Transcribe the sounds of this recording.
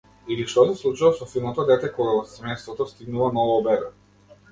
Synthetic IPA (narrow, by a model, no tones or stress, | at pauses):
iliʃt̪ɔsɛslˠut͡ʃulˠɔsɔfilˠmɔt̪ɔd̪ɛt̪ɛkɔɡasmɛst̪vɔt̪ɔst̪iɡnulˠɔnɔvɔːbɛɾɛ